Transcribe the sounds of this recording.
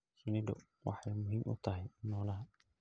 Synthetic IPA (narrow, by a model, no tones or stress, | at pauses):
sʊnid̪ɔ̰ | wɑ̰ħajmʊɦiːmʔʊ̰t̪ʰɐɦɐjnɔːlɐɦɐ